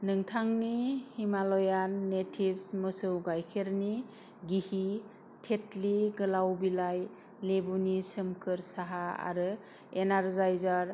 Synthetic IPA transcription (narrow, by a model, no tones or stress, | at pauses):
nɯŋtʰaŋnihimalɔjanːetʰibsmɯsɯwɡajkʰeɾni | ɡihi | tʰetliɡɯlawbilaj | lebunisɯmkʰɯɾsaɦaa̰ɾɯ | enaɾzajzaɾ